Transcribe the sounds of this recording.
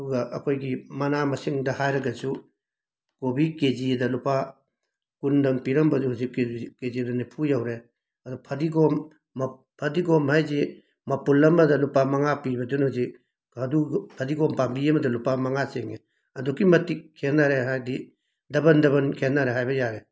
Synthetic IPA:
ɐduɡɐʔɐ̰kʰojɡimɐnamɐsiŋdɐhajɾɐɡɐsu | kobikezidɐlupa | kundɐŋpiɾɐmbɐsuhuzikkːezidɐnipʰujawɾe | ɐdupʰɐdiɡomː | pʰɐdiɡomhajzi | mɐpulːɐmɐdɐlupamɐŋapibɐdunhuzi | ɐdupʰɐdiɡompambiɐmɐdɐlupamɐŋaseŋe | ɐdukːimɐtikʰːenːaɾeɦajdi | dɐbɐndɐβɐnkʰenːaɾeɦajbɐjaɾe

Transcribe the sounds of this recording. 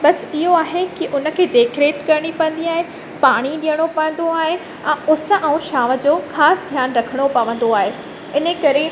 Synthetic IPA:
ɓɐsɪɦoaːɦekɪʔʊnə̆kʰeːd̪eːkʰɾeːt̪kɐɾɪɽ̃ipɐ̃ə̃n̆d̪iaːɦe | paːɽ̃iɗijəɽ̃opɐʋə̃nd̪oaːɦe | ɛ̃ːʊsə̆ʔaːũʃaːʋə̆d͡ʑoːxaːsd̪ʱjaːnɾɐkʰəɽ̃opɐʋə̃n̆d̪oaːɦe | ɪnəkɐɾe

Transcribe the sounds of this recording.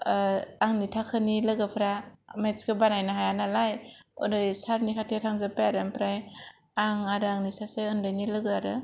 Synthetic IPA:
aŋnitʰakʰɯnilaɡɯpʰɾamet͡ʃkɯbanajnaɦajanalajɔ̰nɯsaɾnikʰatʰetʰaŋzapajaɾɯmpɾaj | aŋaɾɯaŋnisasɯjɯndɯjnilɯɡɯaɾɯ

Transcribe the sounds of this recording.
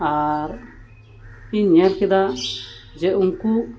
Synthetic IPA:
aɾ | iɲaɾkɛd̪a | d͡ʒɛunku

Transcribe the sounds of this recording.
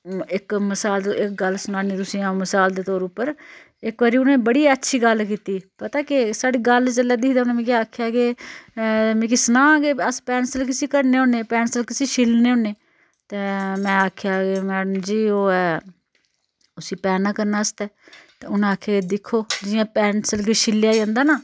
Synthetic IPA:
ɪkməsaːlɪkɡəlsʊnãːniːt̪ʊsĩːãːməsaːld̪eːt̪ɔːɾʊpːəɾ | ɪkʋaːɾiːʊnẽːbəɽiːətːʃʰiːɡəlkiːt̪iːpət̪aːkɪsaːɽiːɡəlt͡ʃəlːɛːd̪ɪkʰd̪aːʊnẽːmɛ̃ːkjaːkʰjaːkeː | mɛ̃ːkisənãːɡeːəspɛːnsəlk̬ɪsiːkəɾneːoːneːpɛːnsəlkɪsĩːʃɪlneːõːneː | t̪eːmɛ̃ːaːkʰjaːkemɛːɽəmd͡ʒiːoːɛː | ʊsiːpɛːnãːkəɾnaːəst̪ɛːt̪eʊnãaːkʰjaːɡeːd̪ɪkʰːoːd͡ʒɪjãːpɛːnsəlɡeʃɪljaːiãːnd̪aːnaː

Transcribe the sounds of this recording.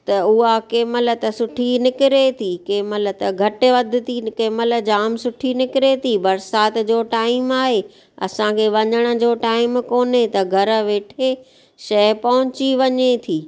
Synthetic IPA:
t̪ɐʊɦakeːmələ̆t̪ɐsʊʈʰinɪkɪɾet̪ʰikeːməl̆t̪ɐɡʱɐʈɪʋɐd̪ʱɪ̆t̪ʰikeːməl̆d͡ʑaːmsʊʈʰinɪkɪɾet̪ʰibɐɾsaːt̪d͡ʑoːʈaːɪmaːɦe | ɐ̰sãkʰeːʋɐɲəɽ̃ə̆d͡ʑoːʈaːɪmkoːnet̪ɐɡʱɐɾə̆ʋeːʈʰe | ʃɐpɐɦʊ̃t͡ɕiʋɐɲet̪ʰiː

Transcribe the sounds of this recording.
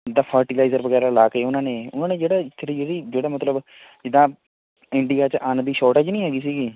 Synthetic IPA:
d̪aːpʰəɾʈiːlaːzəɾʋəɡɛːɾaːlaːkeːʊnãːnẽːʊnãːnẽːd͡ʒeːɽaːt̪ʰːɾiːd͡ʒeːɽiːd͡ʒeːɽaːmət̪ləb | d͡ʒɪd̪ãː | ɪɳɖijaːt͡ʃʔaːnd̪iːʃɔːɾʈeːd͡ʒnĩːɦɛːɡiːsiːɡiː

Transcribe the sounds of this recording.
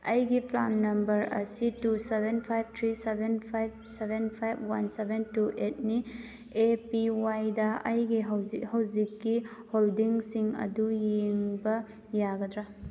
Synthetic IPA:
ɐjɡipʰla̰nːɐmbɐɾɐ̰situsebʱenpʰajb̚t̪ʰɾisebenpʰajb̚ | sebenpʰajb̚wansebentuʔet̚ni | epiwajdɐɐjɡiɦwhawzikːiholdiŋsiŋɐ̰dujeŋbɐ | jaɡɐdɾa

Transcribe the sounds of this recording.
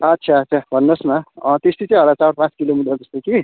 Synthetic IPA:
ʌtːsʰaːtːsʰabʱʌnːʌsmaʌt̪est̪it͡sʌ̃ĩɦʌlat͡saɽpãt͡skilomiʈːʌd͡zʌst̪oki

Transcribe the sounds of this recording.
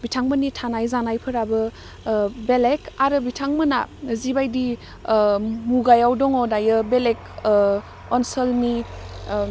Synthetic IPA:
bitʰaŋmɯnitʰanajzanajpʰɯɾabɯ | belekaɾɯbitʰaŋmɯna̰zibajdi | muɡajawdɔŋɔdajɯbelek̚ | ɔnsəlmi

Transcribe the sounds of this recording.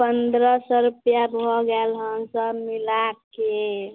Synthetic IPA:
pənd̪ɾəsəɾupjabʱɔɡɛlɦənsəbmilake

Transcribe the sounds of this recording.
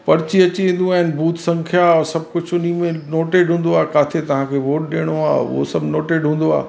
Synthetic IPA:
pɐɾɪt͡ɕiɐt͡ɕiẽːn̆d̪ũaːɦɪnbʱuːt̪sɐ̃ŋkʰjaɔːɾsɐb̚ʱkʊd͡ʑʱʊnimẽnoːʈeːɖɦũːn̆d̪oaːkaːt̪ʰet̪ɐʋ̤ãkʰeːʋoːʈ̚ɗeːɽ̃oa̰ːo̰sɐbnoːʈeːɖɦũːn̆d̪oa̰ː

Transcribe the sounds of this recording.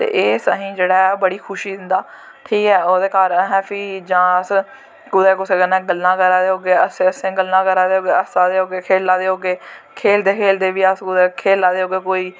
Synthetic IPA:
t̪ḛːʔeːsəɦĩːd͡ʒeːɽaːbəɽiːkʰʊʃiːd̪ɪnd̪aː | ʈʰiːkɛːoːd̪eːkaːɾɦɛːpʰiːd͡ʒãːəs | kʊd̪eːkʊseːɡənɛ̃ːɡəlːãːkəɾaːd̪eːɦoːɡeːəseəsẽːɡəlːãːkəɾaːd̪eːɦoːɡeːəsaːd̪eːɦoːɡeːkʰeːlːaːd̪eːɦoːɡeːkʰeːld̪eːkʰeːld̪eːʋiːəskʊd̪ɛːkʰeːlaːd̪eːɦoːɡeːkoːiː

